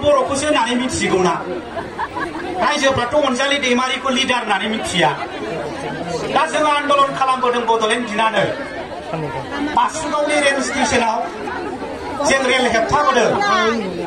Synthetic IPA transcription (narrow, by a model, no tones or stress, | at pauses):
bɔɾɔkʰusɯnanimitsiɡɯwna | ɾajzɯbʱɾatɔɔnzalidejmaɾikolidaɾnanimit̚kʰija | nazɯŋaɾandɔlɔnkʰalambɯdɯŋbɔd̪ɔlendʱinanɯ | basuɡawniɾenstisenaw | zeŋɾelɦep̚t̪ʰaɡɔdɯ